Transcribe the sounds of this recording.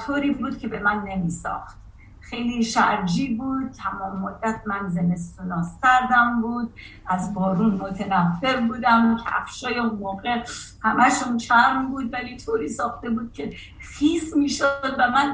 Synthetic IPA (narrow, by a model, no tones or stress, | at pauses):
t̪ʰoːɾiːbuːd̪̥̚cʲʰe̞be̞mænːe̞miːsɒ̰ːxt̪ | xejliːʃæ̰ɾd͡ʒiːbuːd̪̚t̪ʰæmɒːmːod̪ːæt̪̚ʰmænzeme̞st̪unɒːscæɾd̪æmbuːd̪̚ʔæzbɒːɾuːnmot̪ʰenæfːe̞ɾbuːd̪æmcʰæ̰fʃɒːjeunmoːɣe̞hæmʔæʃunt͡ʃʰæɾmbuːd̪væliːt̪ʰoːɾiːsɒːxt̪e̞buːd̪̥̚cʰe̞ | xiːsmiːʃod̪væmæn